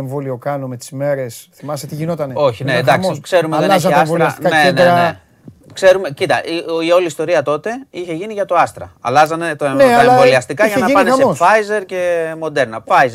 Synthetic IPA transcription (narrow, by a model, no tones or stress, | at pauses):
eɱvoliokɐnomet̪i̥zme̞ɾe̞sθimɐset̪iʝinot̪ɐneo̞çineːd̪ɐkssikse̞ɾumeðniseɐsolɾɐst̪ikɐnenene | kse̞ɾume̞cit̪ɐʔio̞list̪o̞ɾiɐt̪o̞t̪e̞içe̞ʝiniʝɐt̪o̞ɐst̪ɾɐ̰ɐ̰lɐzɐne̞t̪oeneɐvoliɐst̪ikɐʝɐnɐɐnesefɐjze̞ɾce̞mo̞d̪e̞ɾnɐfɐjze